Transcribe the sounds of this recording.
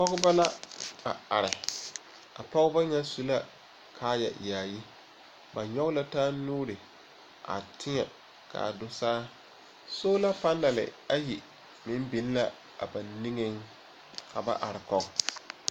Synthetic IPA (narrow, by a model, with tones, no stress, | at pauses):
pɔ˦ɣʊ˦ba˦la˦a̰˨a˨ɾɪ˨ | a̰˨pɔ˦ɣɪ˦ba˦ɲa˦su˦la˦ | kʰaː˦ja̰˨jaː˨ji˦ | ba˨ɲɔ˦ɣʊ˦la˦taː˦nuː˦ɾɪ˨ | ʔa̰˨tʰɪ˦ŋɛ˨ | ka̰˨dʊ˦sa˦a˦ | so˦la˦pa˦nːa˨lɪ̰˨a˦ji˨ | mɪ˦m˦bi˨n˦la˦ | a̰˨ba˨ni˦ŋɪ˦ŋ | ka˨ba̰˦ʔa˨ɾɪ˨kɔ˦ɡ